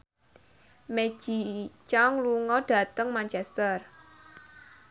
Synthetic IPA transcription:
me̥ʒ̥it͡ʃɔŋluŋɔɖ̥ä̤t̪əŋmaɲt͡ʃɛst̪ər

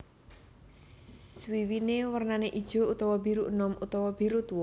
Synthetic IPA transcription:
swiwinewərnaneʔid̥ʒ̥o̤ut̪ɔwɔbi̤ɾuʔnɔmʔut̪ɔwɔb̥iɾut̪wɔ

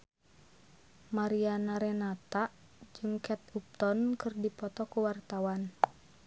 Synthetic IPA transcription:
maɾianaɾɛnat̪aʔ | d͡ʒɨŋkɛt̪up̚t̪ɔnkɨrdipɔt̪ɔkuwart̪awan

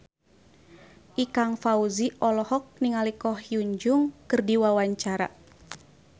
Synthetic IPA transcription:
ʔikaŋfauziʔɔlɔhɔk̚niŋalikɔhjuɲd͡ʒuŋkɨrdiwawaɲt͡ʃaɾa̰

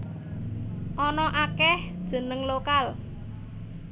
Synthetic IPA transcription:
ʔɔnɔʔakɛhd̥ʒ̥ə̤nəŋlokal

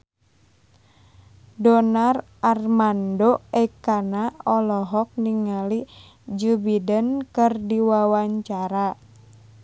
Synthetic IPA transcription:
dɔnarʔarmandoɛkanaɔlɔɦɔk̚niŋali | d͡ʒubidənkɨrdiwawaɲt͡ʃaɾa

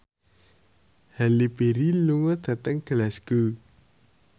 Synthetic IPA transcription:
halipeɾiluŋɔd̪̥a̤t̪əŋɡ̥əlasɡ̥u

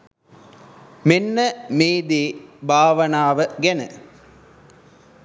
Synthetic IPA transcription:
menːəmeːd̪eːbʱaːʋənaːʋəɡenə̰

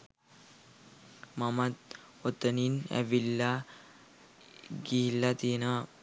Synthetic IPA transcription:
mɐmɐt̪̚ | ot̪ːəninɛ̰ʋilːa | ɡilːat̪ina

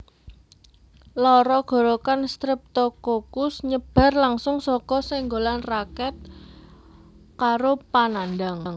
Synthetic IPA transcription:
lɔɾɔɡ̥ɔ̤ɾokanst̪ɾɪp̚t̪okokʊsɲəb̥a̤rlaŋsʊŋsɔkɔsɪŋɡolanrakɛt̪̚ | kaɾopanandaŋŋ

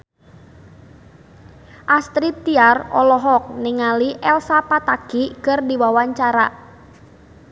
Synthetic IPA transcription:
ʔast̪ɾit̪ːiarɔlɔɦɔk̚niŋaliʔɛlsapat̪akikɨrdiwawaɲt͡ʃaɾa

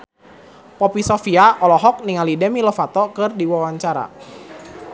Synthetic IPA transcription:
pɔpisɔfiaɔlɔɦɔk̚niŋalidɛmiləfat̪ɔkɨrdiwawaɲt͡ʃaɾa̰

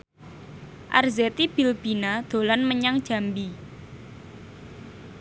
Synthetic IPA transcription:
ʔa̰rzet̪ib̥i̤lb̥i̤nad̪̥o̤lanməɲaŋd̥ʒ̥a̤mbi

